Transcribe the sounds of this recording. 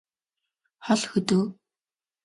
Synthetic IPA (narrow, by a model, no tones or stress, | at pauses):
χɔɮxɵt̪ɵ̆ː